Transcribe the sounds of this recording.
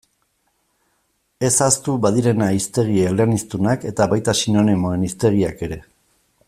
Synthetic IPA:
e̞sast̪uβaðiɾe̞naist̪e̞ɣieleanist̪unake̞t̪aβajt̪asino̞nimo̞e̞nist̪e̞ɣiake̞ɾe̞

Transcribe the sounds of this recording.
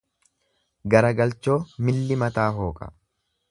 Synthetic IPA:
ɡɐɾɐɡɐlt͡ʃːo̞ːmɪlːɪmɐt̪aːɦo̞ːkʼɐ̥̰

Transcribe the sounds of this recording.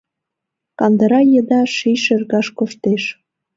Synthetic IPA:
kɑnd̪ə̆ɾɑjəd̪ɑʃijʃerɣɑʃkoʃt̪eʃ

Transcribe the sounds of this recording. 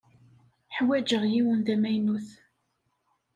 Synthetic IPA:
ħwæd͡ʒəʁjiwənðæmæjnuθ

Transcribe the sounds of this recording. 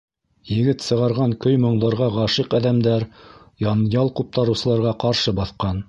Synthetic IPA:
jɘ̆ɡɘt̪sɤ̆ʁɑɾʁɑŋkɵjmɤ̆ɴd̪ɑɾʁɑʁɑʃɤqɑðæmd̪æɾ | jɑnjɑlˠqup̚t̪ɑɾɤ̆wsɤ̆lˠɑɾʁɑqɑɾʃɤbɑθqɑn

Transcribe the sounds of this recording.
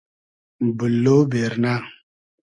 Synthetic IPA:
bɨlːobeɾna

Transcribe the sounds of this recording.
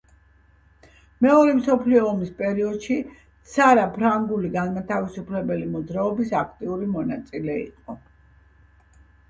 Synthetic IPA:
mɛɔɾɛmsɔpʰliɔːmispʼɛɾiɔd̪̥ʃi | t̪sʰaɾapʰɾaŋɡuliɡanmat̪ʰavisupʰlɛbɛlimɔd̪zɾaɔbisakʰt̪ʼiuɾimɔnat̪sʼilɛḭqʼɔ

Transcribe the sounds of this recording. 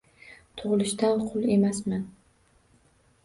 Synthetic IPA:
t̪ʰʊʁɨlˠɪʃt̪alqʰʊlˠe̞masman

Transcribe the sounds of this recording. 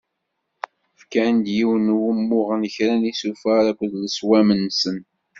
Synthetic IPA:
fkænd̪jiwnwəmːʊʁənəçɾænisufæɾækʷːðləswæmənsən

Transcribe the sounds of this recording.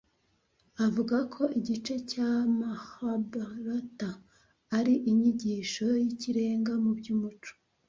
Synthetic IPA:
avuɡakʰo̞ʔiɟit͡ʃe̞camahabaɾotaː | ɾiʔiɲiɟiʃo̞jiciɾe̞ːŋɡamubɟuːmut͡ʃo̥

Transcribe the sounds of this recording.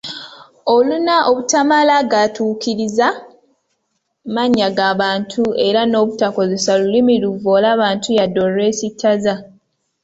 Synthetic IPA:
o̞lunaʔoβutamalaɡatʰuːkiɾiza | maɲːaɡaːβaːntʰue̞ɾano̞ːβutako̞zesalulimiluvo̞ːlaːβaːntʰujado̞re̞ːsitʰːaza

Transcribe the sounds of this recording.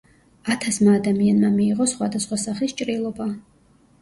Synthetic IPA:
at̪ʰasmaːd̪amianmamiːʁɔsχwad̪asχwasaχlist͡ʃʼɾilˠɔba

